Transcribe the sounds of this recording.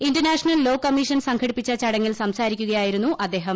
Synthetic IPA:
indɐrnaːʂɐnɐllo̞ːkːɐmːiʂɐnsɐŋkʰɐɽipːit͡ɕːɐt͡ɕɐɽɐŋːilsɐmsaːɾikʲːuɣɐjaːjiɾunːuʔɐd̪ːe̞ːɦɐm

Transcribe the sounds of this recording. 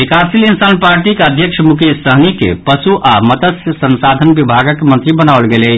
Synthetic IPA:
ikasilinsanpaɾʈikeəd̪ʱjəkʃʰmukʰjesəɦnikḛpəsuʔamət̪əsjəsənsad̪ʱənbibʱaɡəkmə̃nt̪ɾibənaolɡelɛ

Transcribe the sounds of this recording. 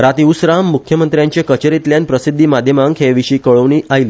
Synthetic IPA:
ɾat̪iusɾamːukʰjəmənt̪ɾjaɲt͡ɕekət͡ɕəɾit̪ljanpɾəsid̪ʱːiːmad̪ʱjəmaŋkɦeʋiɕiːkəɭəʋɳiːʔajliː

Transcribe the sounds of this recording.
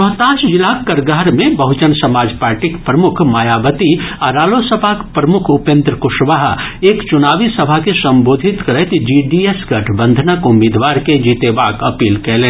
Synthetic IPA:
ɔɦt̪aːʃd͡ʒɪlakːɐɾɡaɦɾmẽbɐɦʊt͡ʃənsɐmaːd͡ʒpaːɾʈikpɾɐmʊkʰmaːjaːbət̪iaɾaːlosəpaːkpɾɐmʊkʰʊpẽnt̪ɾəkʊʃʋaɦeːkt͡ʃʊnaːʋisɐbʱakesɐ̃mboːd̪ʱɪt̪kɐɾet̪d͡ʒiːɖiesɡɐʈʰbə̃nd̪ʱənəkʊmeːd̪ʋaːɾked͡ʒiːt̪ebaːkɐpiːlkeːlẽː

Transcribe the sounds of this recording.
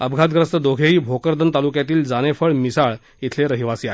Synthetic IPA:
əbɡʱat̪ɡɾəst̪əd̪oɡʱeɦiːbʱokəɾd̪ənt̪alukjat̪iːld͡zañefəɭmisaɭ | it̪ʰleɾəɦiʋasiae

